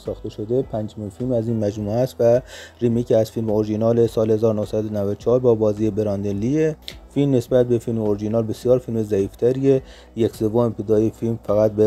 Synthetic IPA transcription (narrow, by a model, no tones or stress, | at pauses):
sɒːxt̪e̞ʃo̞d̪epʰænd͡ʒminfilmæziːnmæd͡ʒmuːæst̪værimiːcʰeæz̥filmeoɾʒinɒːlesɒːlhe̞zɒːɾonohsæd̪onævæd̪ot͡ʃʰɒhːɾbɒːbɒːziːjebeɾɑnd̪elːiefilmnesbæt̪̚be̞filmeoɾiʒinɒːlbe̞sijɒːɾfilmezæiːft̪ʰæɾiːe | jecse̞vomep̪ʰed̪ɒːjefilmfæɣæt̪̚be